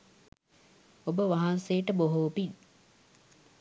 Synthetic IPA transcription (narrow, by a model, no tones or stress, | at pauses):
obəʋaɦanseːʈəboɦoːpi